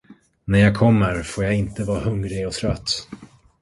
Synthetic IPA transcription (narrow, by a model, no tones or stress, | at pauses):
næɾjaːɡ̚kʰɔmːəɾfoːjaɪnt̪əvɑːɾhɵŋɾɪɔt̪ʰɾœt̪ː